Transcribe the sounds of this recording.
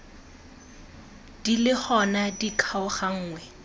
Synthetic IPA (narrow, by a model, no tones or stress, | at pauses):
d̥ilɪχɔnadikʰaʊχaŋ̩ːŋwɛ